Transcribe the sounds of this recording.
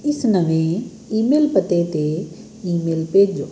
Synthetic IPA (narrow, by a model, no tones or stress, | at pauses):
ɪsnəʋẽ | iːmeːlpət̪et̪e | iːmeːlpeːd͡ʒoː